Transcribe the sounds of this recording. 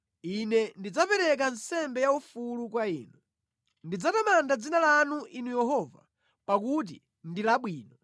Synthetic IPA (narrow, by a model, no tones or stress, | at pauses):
inɛndid͡zapɛɾɛk̬ansɛmbɛjaufulukwaiːnu | ndid͡zatamandad͡zinalanuʔinujɛɦɔːva̰ | pak̬ut̬ḭ | ndilaɓwiːnɔ